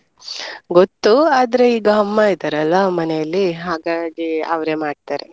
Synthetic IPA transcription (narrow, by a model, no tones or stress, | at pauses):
ɡot̪ːuaːd̪ɐɾe̞iːɡɐɦɐmːaid̪aɾɐlʋɐmɐnejɐlːiɦaːɡaːɡiɐ̰ʋɐɾe̞maːɖ̚t̪aːɾe